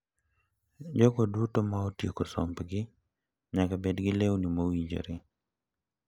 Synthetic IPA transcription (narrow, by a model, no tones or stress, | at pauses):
d͡ʒɔkodutomaotjekosɔ̰mpɡɪ | ɲakabɛdɡɪlewnimowid͡ʒo̰ɾɪ